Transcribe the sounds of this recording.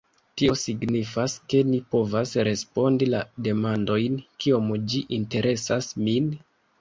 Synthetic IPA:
tio̞siɡnifaske̞nipo̞vasɾe̞spo̞ndilade̞mando̞jnkio̞md͡ʒiʔinte̞ɾʔe̞sasmin

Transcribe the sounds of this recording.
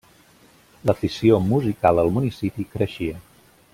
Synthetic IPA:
ləfisiomuzikalˠəlˠmunisipikɾəʃiə

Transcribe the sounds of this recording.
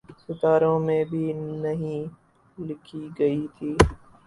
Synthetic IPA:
sʊt̪aːɾõmẽbʱinɐɦĩː | lɪkʰiɡɐit̪ʰiː

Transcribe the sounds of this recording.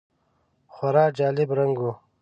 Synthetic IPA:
xwaɾɑːd͡ʒaːlɪbɾɐŋɡu

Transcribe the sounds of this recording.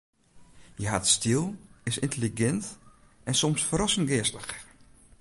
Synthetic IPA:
jəɦatstilˠɪsɪntəliɡɛnt | ɛnsɔmsfəɾɔsən̩ɡɪəstəx

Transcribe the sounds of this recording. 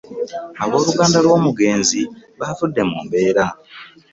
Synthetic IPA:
aβo̞ːluɡaːndalwo̞ːmuɡe̞ːnziβavudːe̞muːmbe̞ːɾa

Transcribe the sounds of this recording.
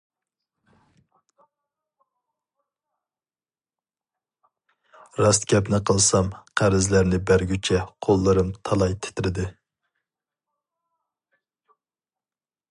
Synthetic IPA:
ɾɑst̪kʲɛpnɪqʰəlˠsɑmqʰæɾɪzlæɾnɪbæɾɡʲyt͡ʃʰɛqʰolˠːɨɾɨmt̪ʰɑlˠɑjt̪ʰɪ̥t̪ʰɪɾɪd̪ɪ

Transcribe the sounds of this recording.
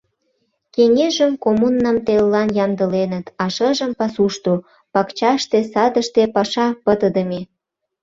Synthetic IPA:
keŋeʒəmkomunːɑmt̪elːɑnjɑnd̪əlenət̪ɑʃəʒəmpɑsuʃt̪o | pɑkt͡ɕɑʃt̪esɑd̪əʃt̪epɑʃɑpət̪əd̪əme

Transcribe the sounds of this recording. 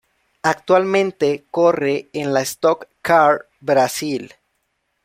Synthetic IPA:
ak̚t̪walmẽnt̪e̞ko̞re̞ːnlaest̪okːaɾ | bɾasil

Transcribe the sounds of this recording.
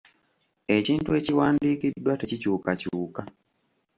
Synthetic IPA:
e̞ciːntue̞ciwaːndiːkidːwate̞cicuːkacuːka

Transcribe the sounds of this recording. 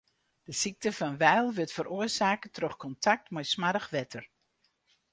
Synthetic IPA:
d̥əsik̚təfɑnʋɛjlˠʋɪtfəɾʔoərsaːkətrøxkɔntʰak̚tmɔjsmadəxʋɛtʰər

